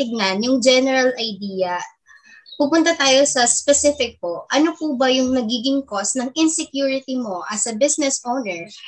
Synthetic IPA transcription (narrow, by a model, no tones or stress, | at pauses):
ɪɡ̚nɐnjʊŋd͡ʒɛnɛɾɐlʔɐjd̪iːjɐ | pupʊnt̪ɐt̪aːjo̞sɐspɛsɪfɪk̚poʔɐnopubɐjʊŋnɐɡiːɡɪŋkosnɐŋɪnsɛkjuːɹɪt̪imo̞ʔɐsɐbɪsnɛsʔonɛɹ